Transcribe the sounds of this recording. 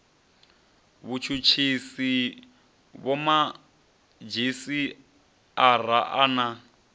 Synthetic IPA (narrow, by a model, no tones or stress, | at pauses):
βut͡ʃʰut͡ʃʰisi | βɔma | d͡ʒisi | ar̤aʔana